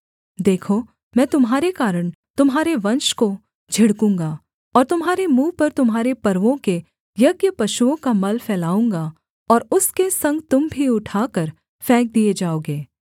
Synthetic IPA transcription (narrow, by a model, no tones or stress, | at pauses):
d̪eːkʰo | mɛ̃ːt̪ʊmɦaːɾekaːɾəɽ̃ | t̪ʊmɦaːɾeʋɐ̃nʃko | d͡ʒʱɪɽkũːŋɡa | ɔːɾt̪ʊmɦaːɾemuːpɐɾt̪ʊmɦaːɾepɐɾʋõke | jɐɡjəpɐʃuõkamɐlfɛːlaːũːŋɡa | ɔːɾʊskesɐ̃ŋɡt̪ʊmbʱiʊʈʰaːkəɾ | fɛːk̚d̪ied͡ʒaːoːɡeː